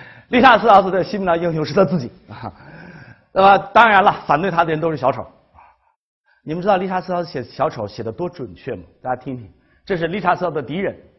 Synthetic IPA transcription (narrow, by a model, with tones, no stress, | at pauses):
li˥˩ʈ͡ʂʰa˥sɹ̩˥˩ɑ˧˥ʊt͡s̩˧˩t̪ɕi˥mi˧˥nɑ˥˧ji˥ŋjo˧˥ʂɻ̩˥˩t͡st͡sɹ̩˥˩t͡ɕi˨˩˦ | na˥˩mə˨t̪ɑ˥ŋɻa˧˥nlɐ˧˨fa˨˩nt̪wɪa˥d̪ə˨ɻə˧˥nt̪o˥ʊʂ̩˥˩ɕjɑ˧˥ʊʈ͡ʂʰo̰˨˩˦ʊ˧˩ | ni˨˩mə˦˥ʈ͡ʂɻ̩˥dɑ˥˧li˥˩ʈ͡ʂʰa˧˥sɹ̩˥˩ɑ˧˥d͡z̩˧˩ɕjɛ˨˩˧ɕjɑ˧˥ʊʈ͡ʂʰo˨˧˥ʊɕjɛ˨˩d̪ə˦t̪wɔ˥ʈ͡ʂwə˨˩nt͡ɕʰɥɛ˥˩mɐ˩t̪a˥˩t͡ɕa˥t̪ʰi˥ŋt̪ʰi˧˥ŋ | ʈ͡ʂɤ˥˧ʂɻ̩˥˩˧li˥˩ʈ͡ʂʰa˧˥sɹ̩˥˩ɑ˧˥ʊd̪ə˧t̪i˧˥ɻə˧˥n